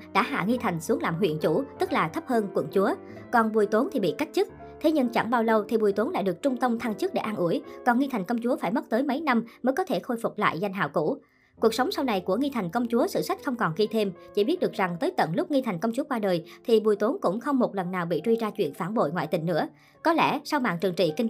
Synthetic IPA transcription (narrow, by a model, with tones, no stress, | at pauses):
ɗa̰ː˧˥ɦa̰ː˧˨ŋi˧t̪ʰa˨˩jŋ̟su˨˦əŋlaː˨˩mɦwḭ˧˨ənt͡ɕu˧˩t̪ɨ˦˥k̚laː˨˩t̪ʰə˦˥p̚həː˧nkwə̰˧˩nt͡ɕu˨˦ə | kɔ˨˩nɓu˨˩əjt̪o˨˦nt̪ʰi˨˩ɓḭ˧˨ka˦˥jk̚t͡ɕɨ˦˥k̚ | t̪ʰe˨˦ɲɨ˧ŋt͡ɕa̰˧˩ŋɓaː˧wlə˧wt̪ʰi˨˩ɓu˨˩jt̪o˨˦nla̰ː˧˨jɗɨ˨˩ək̚t͡ɕʊ˧ŋ͡mt̪ə˧wŋ͡mt̪ʰa˧ŋt͡ɕɨ˦˥k̚ɗe˧˩ʔaː˧nʔu˧˩əjkɔ˨˩nŋi˧t̪ʰa˨˩jŋ̟kə˧wŋ͡mt͡ɕu˨˦əfaː˧˩jmə˦˥t̚t̪əː˨˦jmə˨˦jna˧mməː˨˦jkɔ˨˦t̪ʰe˧˩xo˧jfʊ˨˩k͡p̚la̰ː˧˨jza˧jŋ̟ɦa̰ː˧˨wkṵ˧˩˥ | ku˨˩əksə˨˦wŋ͡msa˧wna˨˩jku˧˩əŋi˧t̪ʰa˨˩jŋ̟kə˧wŋ͡mt͡ɕu˨˦əsɨ̰˧˨sa˦˥k̟̚xə˧wŋ͡mkɔ˨˩nɣi˧t̪ʰe˧mt͡ɕḭ˧˩ɓi˦˥ət̚ɗɨ˨˩ək̚za˨˩ŋt̪əː˨˦jt̪ə̰˧˩nlʊ˦˥k͡p̚ŋi˧t̪ʰa˨˩ŋ̟kə˧wŋ͡mt͡ɕu˨˦əkwaː˧ɗəː˨˩jt̪ʰi˨˩ɓu˨˩əjt̪o˨˦nkʊ̰˧˥ŋ͡mxə˧wŋ͡mmo˨˩t̚lə˨˩nːaː˨˩wɓḭ˧˨t͡ɕwi˧zaː˧t͡ɕwḭ˧˨ənfaː˧˩nɓo̰˧˨jŋwa̰ː˧˨jt̪ï˧˩ŋnɨ̰˧˥ə | kɔ˨˦lɛ̰˧˩sa˧wma̰ː˧˨nt͡ɕɨ˨˩əŋt͡ɕḭ˧˨ki˧ŋ